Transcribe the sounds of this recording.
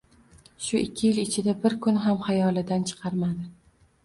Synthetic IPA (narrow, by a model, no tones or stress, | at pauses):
ʃʊʔɪkʲʰːɪjɪlɪt͡ʃʰɪd̪abɪɾkʰʊnɦamhajɒlˠɪd̪ant͡ʃʰɨ̥qʰɑɾmad̪ɪ